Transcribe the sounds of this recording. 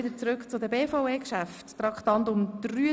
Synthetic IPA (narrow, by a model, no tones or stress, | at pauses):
ɪdəɾt͡sɾʏkt͡sʊdəbeːfɔweːkʃæfttɾɑkχtɑntʊmd̥̪ryː